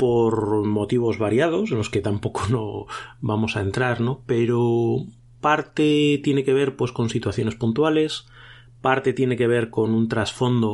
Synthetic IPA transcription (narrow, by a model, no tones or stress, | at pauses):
poɾmo̞t̪iβ̞o̞zβaɾjað̞o̞senlo̞ske̞t̪ampo̞konoβamo̞saent̪ɾaɾnope̞ɾo | paɾt̪et̪je̞neke̞β̞e̞ɾpwe̞sko̞nsit̪waθjo̞ne̞spunt̪wale̞s | paɾt̪e̞t̪je̞neke̞β̞e̞ɾko̞nunt̪ɾasfo̞nd̪o